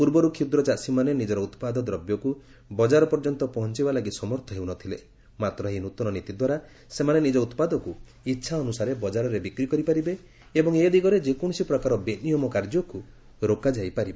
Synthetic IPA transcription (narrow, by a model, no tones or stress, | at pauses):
puɾbɔɾukʰid̪ɾɔt͡ʃasimanenid͡ʒɔɾɔut̪pad̪ɔd̪ɾɔbjɔku | bɔd͡ʒaɾɔpɔɾd͡ʒɔnt̪ɔpɔɦɔnt͡ʃibalaɡit̪sɔmɔɾt̪ʰɔɦewnɔt̪ʰile | mat̪ɾɔɦinut̪ɔnɔnit̪id̪waɾa | semanenid͡ʒɔut̪pad̪ɔku | itːʃʰaɔnusaɾebɔd͡ʒaɾɔɾebikɾikɔɾipaɾibe | ebɔŋed̪iɡɔɾed͡ʒekɔɽ̃ɔsipɾɔkaɾɔbenijɔmɔkaɾd͡ʒɔku | ɾokad͡ʒajpaɾibe